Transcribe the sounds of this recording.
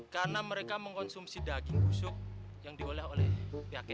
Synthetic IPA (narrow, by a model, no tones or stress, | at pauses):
karənaməɾekaməŋkɔnsumsidaɡiŋɡusʊk̚ | jaŋdiolɛholɛhpiakɛ